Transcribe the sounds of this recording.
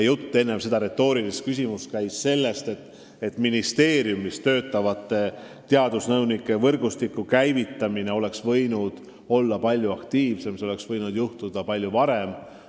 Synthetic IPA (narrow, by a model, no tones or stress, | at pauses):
jut̪ːe̞nːe̞mse̞d̪ɑɾe̞t̪ːo̞ːɾilist̪̚kys̬ʲimuskæjsse̞lːe̞st̪e̞t̪ːˑ | et̪ːˑminist̪e̞ːɾjumːist̪ø̞ːt̪ːˑɑvɑt̪ːˑe̞ | t̪eɑd̪̥usnɤwnikːˑe̞vɤrɡ̥ust̪ikːˑukæjvit̪ːˑɑmine̞o̞le̞ksvɤjnud̪̥ | o̞lːɑpɑlʲjuɑkt̪iːvse̞mseo̞le̞ksvɤjnud̪̥juht̪ud̪̥ɑpɑlʲjuvɑɾe̞m